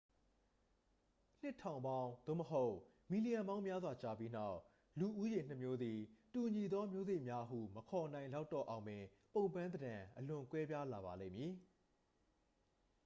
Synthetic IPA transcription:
n̥ɪ˦˨tʰã˨ʊ̃mbã˦ʊ̃d̪o̰˦˨məɦo˦ʊʔ | mi˨li˨jã˨mbã˦ʊ̃mja˦zwa˨t͡ɕa˦˨pji˦n̥a˦˨ʊʔ | lu˨ʔu˦jẽ˨n̥ə˦˨mjo˦d̪i˨tu˨ɲi˨d̪ɔ˦mjo˦ze˦˨ʔmja˦ɦṵ˦˨məkʰɔ˨n̥ã˨ɪ̃la˦ʊtːɔ̰˦˨ʔã˨ʊ̃mɪ̃˨ | põ˦˨ʊ̃mpã˦nd̪ədã˨ʔəlʊ̃˨kwɛ˦bja˦la˨βa˨lḛ̃˦˨mji˨

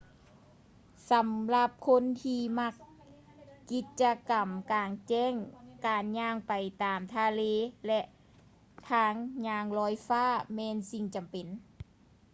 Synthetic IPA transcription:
sa˨˧˦mla˧p̚kʰo˧˥˨nt̪ʰiː˧ma˧k̚ː | i˧t̪̚t͡ɕa˧ka˨˩mkaː˨˩ŋt͡ɕɛː˧˥˨ŋkaː˨˩nɲaː˧ŋpa˨˩jt̪aː˨mt̪ʰaː˧leː˧˥lɛ˧ʔ | t̪ʰaː˧˥ŋɲaː˧˩ŋlɔː˧˥jfaː˧˥˩mɛː˧˥nsi˧ŋt͡ɕa˨mpe˨n

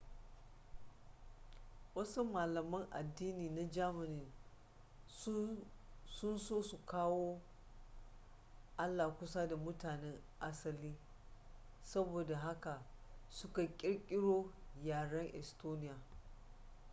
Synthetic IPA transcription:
wɐ˦su˦maː˨lɐ˨mɐ˦ŋʔa̰˨dːiː˦niː˨na˦d͡ʒaː˦mɪ˨nɪ˨n | sʊ˦nsoː˦su˨kaː˦woː˦ | ʔa˦lːaː˨kʷʊ˦sa˦da˨mʊ˦taː˨nɛ˦ŋ | ʔa˦sɐ˨liː˦ | sɐ˦boː˨da˨ɦa˦ka˨sʊ˦ka˨kʲʼɪ˦ɽkʲʼɪ˦ɽoː˦jaː˨ɽɐ˦ŋʔɛ̰˨stoː˦nɪ˦jaː˨

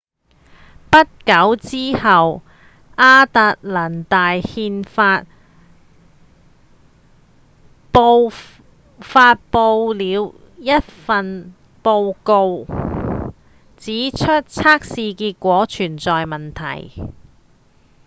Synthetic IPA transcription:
pɐ˥t̚kɐ˨˥wt͡siː˥hɐ˨w | ʔaː˥t̪ɐ˧t̚la˨˩nt̪aː˨jhiː˧nfaː˧t̚ | pow | faː˧t̚po˧wliː˨˧w | jɐ˥t̚fɐ˨˧n | po˧wko˧w | t͡siː˨˥t͡ʃʰɵ˥t̚t͡sʰaː˥k̚siː˧kiː˧t̚kʷɔː˨˥t͡ʃʰyː˨˩nt͡sɔː˨jmɐ˨˩nt̪ʰɐ̰˨˩j

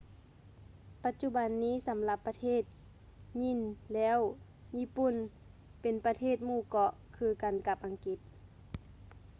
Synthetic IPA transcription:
pa˧t̪̚t͡ɕu˧˥ba˨nːiː˦˥˨sa˨˦mla˧pːa˧t̪ʰeː˥˩t̪̚ | ɲi˧˥˨nlɛː˦˥˨w | ɲiː˧˥˨pu˧˨n | pe˨npa˧t̪ʰeː˥˨t̪̚muː˧˩kɔ˧ʔ | kʰɯː˧ka˨nka˧˥p̚ʔa˨ŋki˧˦t̪̚

